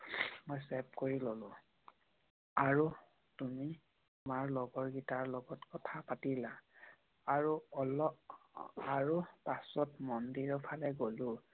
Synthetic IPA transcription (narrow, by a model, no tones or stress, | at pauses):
mojsɛp̚koɹilolʊ̃ | aɹu | tumi | maɹlɔɡɔɹɡitaɹlɔɡɔtkɔtʰapatila | aɹuɔlɔ | aɹupasɔtmɔndiɹɔpʰalɛɡolʊ̃